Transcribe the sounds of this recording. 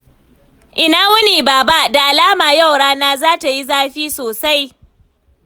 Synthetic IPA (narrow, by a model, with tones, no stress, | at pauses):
ʔɪ˨naː˦wʊ˦niː˨baː˨ba˦da˨ʔa˨laː˦maː˨ja˦˨wɽaː˦naː˦zaː˦ta˨ji˦zaː˦ɸiː˦soː˨sa˦j